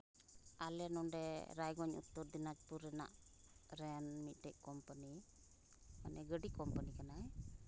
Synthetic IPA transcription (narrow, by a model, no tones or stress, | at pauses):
alɛnɔnɖɛɾajɡɔɲṵt̪ːɔɾd̪inat͡ʃpuɾɛna̰ʔ | ɾɛnmit̪̚ˀʈɛʔ̚ˀkɔmpəni | manɛɡəɖikɔmpənikanaɛ